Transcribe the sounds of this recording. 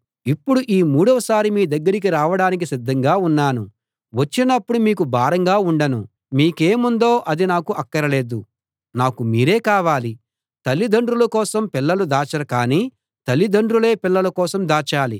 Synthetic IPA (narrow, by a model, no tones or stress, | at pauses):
ipːuɽuʔiːmuːɽɐʋɐsaːɾimiːd̪ɐɡːɐɾik̬iɾaːʋɐɽaːnik̬isid̪ʱːɐŋɡaːunːaːnu | ʋɐt͡ʃːinɐpːuɽumiːkubʱaːɾɐŋɡaːuɳɖɐnu | miːkeːmund̪o̞ːʔɐd̪inaːkuʔɐkːɐɾɐle̞ːd̪u | naːkumiːɾe̞ːkaːʋaːli | t̪ɐlːid̪ɐɳɖɾulɐkɔːsɐmpilːɐlud̪aːt͡ʃɐɾɐkaːniː | t̪ɐlːid̪ɐɳɖɾule̞ːpilːɐlɐkɔːsɐmd̪aːt͡ʃaːli